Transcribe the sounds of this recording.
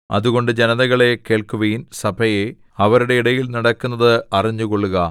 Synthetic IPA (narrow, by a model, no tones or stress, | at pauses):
ɐ̰ðuɣo̞ɳɖɨd͡ʑenɐðɐɣɐɭe̞keːɭkuʋɐjinsɐbʱɐje | ɐʋɐɾuɽe̞iɽɐjilnɐɽɐkːunːɐðɨɐriɲːuko̞ɭːuɣɐ